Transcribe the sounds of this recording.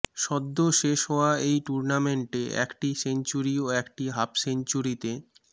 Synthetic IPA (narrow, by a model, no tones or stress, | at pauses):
ʃɔd̪ːoʃeʃɦɔoaejʈuɾnameɳʈeɛ̰kʈisent͡ɕuɾioɛkʈiɦapsent͡ɕuɾit̪e